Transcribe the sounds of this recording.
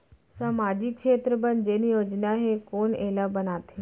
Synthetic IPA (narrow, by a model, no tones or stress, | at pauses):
saːmaːd͡ʒɪkʃeːt̪ɾəbənd͡ʒeːnijoːd͡ʒnaɦekoːneːlabɐnaːt̪ɦeː